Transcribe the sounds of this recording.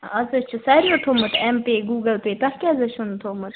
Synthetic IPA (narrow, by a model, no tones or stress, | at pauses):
ɐzɐt͡ʃʰusɐːɾioʈʰoːmɐt̪ʰɛmpeːɡuːɡɐlpeːt̪ɐhkiɐzɐt͡ʃʰunt̪ʰoːmɨt̪